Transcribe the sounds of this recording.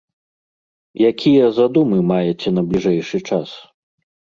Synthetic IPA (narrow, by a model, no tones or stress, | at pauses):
jakʲijɐzad̪umɨmajɛt͡sʲɛnɐblʲiʐɛjʂɨt͡ʂas